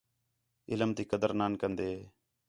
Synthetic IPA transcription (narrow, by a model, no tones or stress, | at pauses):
ɪləmt̪iːkəd̪əɾnaːnkənd̪eː